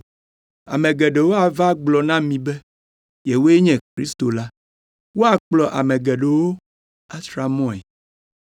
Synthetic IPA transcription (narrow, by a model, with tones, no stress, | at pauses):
a̰˨mẽ˨ɡɛ˨ɖe˨wo˦a˨va˦ɡ͡blɔ˨nã˦mĩ˨bɛ˦ | je˨wo˦e˦ɲɛ̃˨kɾi˦st̪o˨la˦ | wo˦a˨k͡plɔ˨ʔa̰˨mɛ̃˨ɡɛ˨ɖe˨wo˦ | a˦t̪ɾa˨mɔ̃˦ɛ̰˨